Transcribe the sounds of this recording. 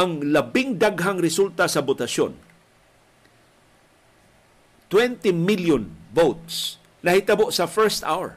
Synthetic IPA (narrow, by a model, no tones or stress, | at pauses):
aŋlɐbɪŋd̪aɡɦaŋɾɪsult̪asɐbʊt̪ɐʃo̰n | t̪wɛnt̪ɪmɪljʊnvowt̪̚s | nɐhɪt̪ɐboʔsɐfɛɹst̪a̰wɛ̰ɹ